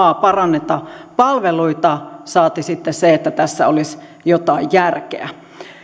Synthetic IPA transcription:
ɑːpɑrɑnːet̪ɑpɑlʋeluit̪ɑsɑːt̪isit̪ːesseet̪ːæt̪æsːæolis | jot̪ɑijjærkḛæ

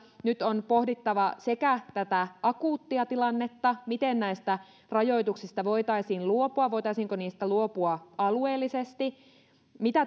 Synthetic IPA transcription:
nyt̪onpohdit̪ːɑʋɑsekæt̪æt̪æʔɑkuːt̪ːiɑt̪ilɑnːet̪ːɑmit̪ennæist̪æ | rɑjo̞it̪uksist̪ɑʋo̞it̪ɑisiːnluopuɑʋoit̪ɑisiːŋkoniːst̪æluopuɑɑlueːlːisest̪i | mit̪æ

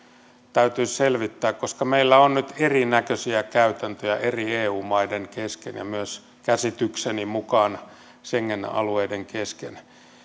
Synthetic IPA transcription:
t̪æyt̪yːselʋit̪ːæːkkoskɑmeilːæonnyt̪erinækøsiækæyt̪ænt̪øjæʔerieːuːmɑideŋkeskḛnjɑ̰myøs | kæsit̪yksenimukɑːn | seŋːenɑ̰lueideŋkesken

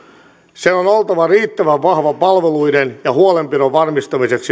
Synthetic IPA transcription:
seonolt̪ɑʋɑriːt̪ːæʋæʋʋɑhʋɑpɑlʋeluidenjɑhuolempiɾoʋʋɑrmist̪ɑmiseks

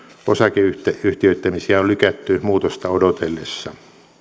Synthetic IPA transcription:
osɑkeyht̪eyht̪iøt̪ːæmisiæollykæt̪ːymuːt̪ost̪ɑodot̪elːesːɑ

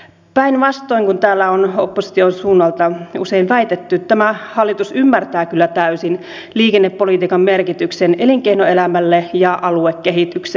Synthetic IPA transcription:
pæinʋɑst̪o̞iŋkunt̪æːlːæono̰pːosi̥t̪ionsuːnːɑlt̪ɑṵse̞inʋæit̪et̪ːyt̪ːæmæhɑlːit̪usymːært̪æːkylːæt̪æysin | liːkenːepːolit̪iːkɑmmerkit̪ykseneliŋkeinoelæmælːejɑʔɑluekːeɦit̪ykse

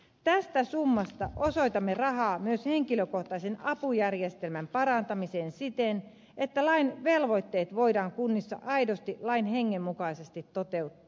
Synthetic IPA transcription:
t̪æst̪æsumːɑst̪ɑʔoso̞it̪ɑmːerɑɦɑːmyøsheŋkiløkoht̪ɑisenɑpujærjest̪elmæmpɑɾɑnt̪ɑmiseːnsit̪en | et̪ːælɑinʋelʋo̞it̪ːeːt̪ʋoidɑːŋkunːisːɑ̰ʔɑidost̪ilɑinheŋːemːukɑisest̪it̪ːot̪e̞ut̪ːɑ̥ː

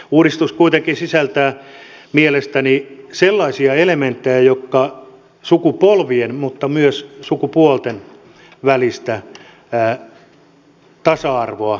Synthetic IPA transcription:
uːɾist̪uskuit̪eŋkinsisælt̪æːmielest̪æniselːɑisiɑelement̪ːejæjokːɑ | sukupolʋienmut̪ːɑmyøssukupuolt̪en | ʋælist̪æ | t̪ɑsɑɑrʋoɑ

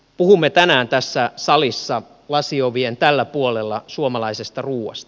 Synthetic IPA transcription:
puhumːet̪ænæːnt̪æsːæsɑlisːɑ | lɑsioʋient̪ælːæpuolelːɑsuomɑlɑisest̪ɑruːwɑ̰st̪ɑ̥

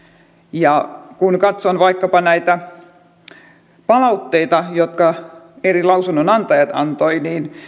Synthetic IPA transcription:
jɑkunkɑt̪sonʋɑikːɑpɑnæit̪æ | pɑlɑut̪ːeit̪ɑjot̪kɑ | erilɑusunːonɑnt̪ɑjɑt̪ɑ̰nt̪oiniːn

